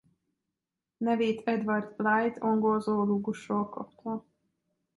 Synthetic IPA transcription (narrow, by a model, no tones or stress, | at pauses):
nɛveːt̪ʰɛd̪vɑrd̪lajt̪ʰoŋɡolzoːluːɡuʃroːlkɒ̰pt̪ʰɒ